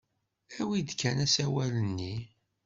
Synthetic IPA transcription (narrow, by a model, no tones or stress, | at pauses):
æwid̪kːænæsæwælənːi